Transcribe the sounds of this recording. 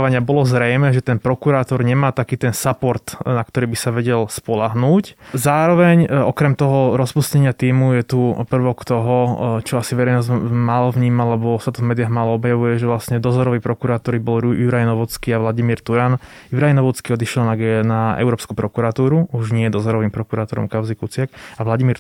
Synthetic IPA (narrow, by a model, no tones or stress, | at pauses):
ʋaɲɪabɔlɔzɾɛjmɛːʒɛt̪ɛnpɾɔkuɾaːt̪ɔɾɲɛmaːt̪akiːt̪ɛnsapɔɾt̪nakt̪ɔɾiːbisaʋɛɟɛlspɔlaɦnuːczaːɾɔʋɛɲɔkɾɛmt̪ɔɦɔɾɔspuscɛɲɪat̪iːmujɛt̪upr̩ʋɔkt̪ɔɦɔt͡ʃɔasivʋɛɾɛjnɔzmaːlɔvɲiːmallɛbɔsat̪ɔvmɛːd̪ɪaɦmaːlɔɔbjaʋujɛʒɛʋlasɲɛd̪ɔzɔɾɔʋipɾɔkuɾaːt̪ɔɾibɔljuɾajnɔʋɔt͡skiːaʋlaɟimiːɾt̪uɾan | juɾajnɔʋɔt͡skiɔd̪iʃɛlnaɡnaɛ̰ʊɾɔːpskupɾɔkuɾat̪uːɾuuʒɲɪɛjɛd̪ɔzɔɾɔʋimpɾɔkuɾaːt̪ɔɾɔ̰mkaʊzikut͡sɪakaʋlaɟimiːɾ